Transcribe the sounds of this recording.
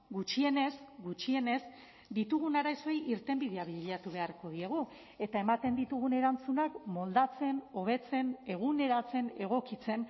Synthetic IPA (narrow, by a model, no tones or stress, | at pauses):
ɡut͡ʃie̞ne̞zɡut͡ʃie̞ne̞z | d̪it̪uɣunaɾaso̞jʔiɾt̪e̞mbið̞e̞aβiʎat̪uβe̞aɾko̞ð̞ie̞ɣ̞u | e̞t̪ae̞mat̪e̞nd̪it̪uɣ̞une̞ɾant͡sunakmo̞ld̪at͡se̞no̞β̞e̞t͡se̞ne̞ɣ̞une̞ɾat͡se̞ne̞ɣ̞o̞kit͡se̞n